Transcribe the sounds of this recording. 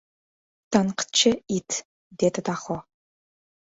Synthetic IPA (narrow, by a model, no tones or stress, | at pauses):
tʰanqt͡ʃʰɪitʰ | deːtʰɐtʰaːχʷɔ